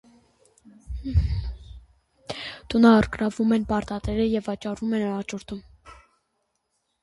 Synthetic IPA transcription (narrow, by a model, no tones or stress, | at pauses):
t̪unɑəɾkɾɑvumɛnpɑɾt̪ɑt̪ɛɾəjɛvɑt͡ʃɑrumɛnɑt͡ʃɔɾt̪ʰum